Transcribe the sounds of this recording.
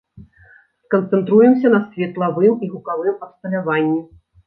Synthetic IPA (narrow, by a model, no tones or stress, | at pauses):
skɐnt̪sɛnt̪ɾujɛms̬ʲɐnɐsʲvʲɛt̪lˠavɨmiɣukavɨmɐpst̪ɐlʲavanʲːi